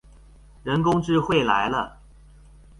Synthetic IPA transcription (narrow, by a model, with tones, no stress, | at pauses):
ɻə˧˥nkʊ˥ŋʈ͡ʂɻ̩˥˧xwe˥˩ɪla̰˧˥ɪlə˧